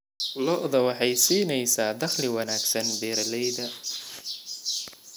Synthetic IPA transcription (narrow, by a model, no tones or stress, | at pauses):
lɔʔðɐwɑħɑjsiːnɛjsaːd̪ɐχlɪwɑnaːɡsɐnbɛːɾlɛjd̪ɐ